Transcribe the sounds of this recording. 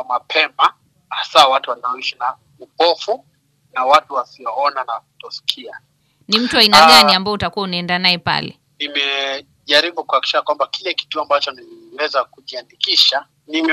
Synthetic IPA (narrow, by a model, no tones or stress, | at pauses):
mapʰɛma | asawatuwanaɔiʃina | upɔfu | nawatuwasiɔɔnanakutɔsi̥kʰia | nim̩tuainaɠaniambaɔutakuwaunaɛndanaɛpa̰lɛ̰ | nimɛ | ʄaɾiɓukuakiʃiʃakwambakilɛki̥tuambat͡ʃɔniiwɛzakuʄiandikiʃa | nim